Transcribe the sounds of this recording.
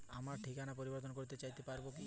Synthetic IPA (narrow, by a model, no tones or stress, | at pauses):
amaɾʈʰikanapoɾibɔɾt̪̬ɔnkoɾit̪et͡ɕajt̪epaɾboki